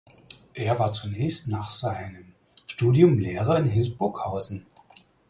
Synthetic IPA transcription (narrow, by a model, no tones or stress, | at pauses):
ʔeːɐvaːɐt͡sunɛːçstnaːχz̥aɪnəm | ʃtuːdjʊmleːʁ̞ɐɪnɦɪlt̚b̥ʊɐkhaʊzn̩